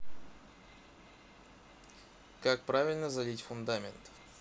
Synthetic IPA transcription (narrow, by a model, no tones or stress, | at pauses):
kak̚pɾavʲɪlʲnəzɐlʲitʲfʊnd̪amʲɪnt̪